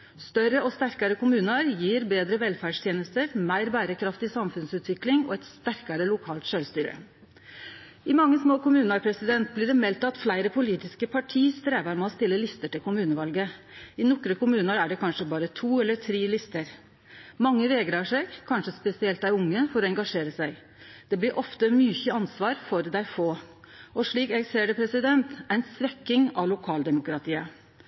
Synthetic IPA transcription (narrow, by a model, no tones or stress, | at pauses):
st̪œɾəʔɔst̪æɾkɑɾəkʊmʉːnəɾjiːɾbeːd̪ɾəʋɛlfæːɖʂt̪ʰjeːnəst̪əɾmæɪɾbæːɾəkʰɾɑft̪ɪsɑmfʉnsʉːt̪ʋɪklɪŋɔ̰ɛt̪st̪æɾkɑɾəlʊkʰɑːlt̪ʃøːlst̪yːɾə̰ | ɪmɑŋːəsmoːkʊmʉːnɑɾpʰɾɛsɪd̪ɛnt̪̚blɪɖɛmɛlt̪ɑt̪flæɪɾəpʰʊliːt̪ɪskəpʰɑʈʰiːst̪ɾeːʋɑɾmɛɔst̪ɪlːəlɪst̪əʈɪlkʰʊmʉːnəʋɑlɡəɪnɔkɾəkʊmʉːnəɾæɖɛkʰɑnʂəbɑːɾət̪ʰuːɛlːət̪ʰɾiːlɪst̪əɾ | mɑŋːəʋɛɡɾəɑʂɛɪɡkʰɑnʂəspɛsɪɛlt̪æɪʊŋːəfɔɾɔɛŋɡɑʂeːɾəsæɪ | d̪̥ɛblɪɾʔɔft̪əmyçəɑnsʋɑːɾfɔɾd̪æɪfoː | ɔʂɭiːkɛɡseːɖəpʰɾɛsɪd̪ɛnt̪æɪnsʋɛkːɪŋɑʋlʊkʰɑːld̪ɛmʊkɾɑt̪ʰiːə